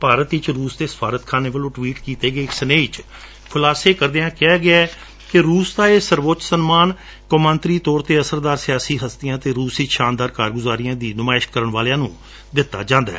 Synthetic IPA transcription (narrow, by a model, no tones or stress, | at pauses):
paːɾət̪ɪt͡ʃɾuːsd̪eːsə̥pʰaːɾət̪kʰaːneːʋəlõːʈʋiːʈkiːt̪eːɡəeːksəneːɪt͡ʃ | pʰʊlaːseːkəɾd̪eːãːkɪaːɡɪɛː | kɪɾuːsd̪aːeːsəɾʋoːt͡ʃsənmaːn | kəmə̃nt̪ɾiːt̪ɔːɾt̪eːəsəɾd̪aːɾsɪjaːsiːɦəst̪ijãːt̪eːɾuːsiːʃãːnd̪aːɾkaːɾɡʊzaːɾijãːd̪iːnʊmaːɪʃkəɾəɳʋaːlejãːnũː | d̪ɪt̪ːa̰ːd͡ʒãːnd̪a̰ɛː